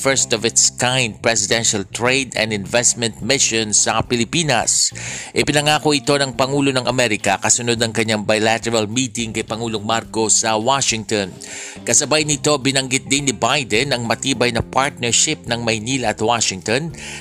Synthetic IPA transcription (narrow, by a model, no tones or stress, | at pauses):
fɛɹst̪ɔvɪt̪skãjnd̪̚pɹɛs̬ɪd̪ɛnʃɐlt̪ɹejd̪ɐ̰̃nd̪ɪnvɛst̪̚mɛnt̪̚mɪʃonsɐpɪlɪpiːnɐ̰sʔɪpɪnɐŋaːkoʔɪt̪o̞nɐŋpɐŋuːlo̞nɐŋʔɐmɛɾɪkɐkɐsʊnod̪̚nɐŋkɐɲːaŋbajlat̪ɛɹɐlmiːt̪ɪŋkɐjpɐŋuːloŋmaɾko̞sɐwaʃɪŋt̪õn | kɐsɐbajɐnɪt̪o̞bɪnɐŋɡɪt̪̚d̪ɪnnːɪbajd̪ɛnɐŋmɐt̪iːbɐjnɐpaɹt̪̚nɛɹʃɪp̚nɐŋmɐjniːlɐʔɐt̪waʃɪŋt̪on